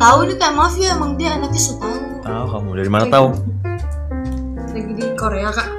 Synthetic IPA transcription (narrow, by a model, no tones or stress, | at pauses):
t̪aunik̪amafiamaŋdianat̪isət̪au | aukamud͡ʒaɾimanat̪au | daɡidikoɾeakaʔ